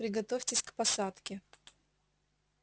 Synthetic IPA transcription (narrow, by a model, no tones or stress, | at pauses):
pɾʲɪɡɐt̪ofʲtʲɪsʲkpɐsat̪kʲɪ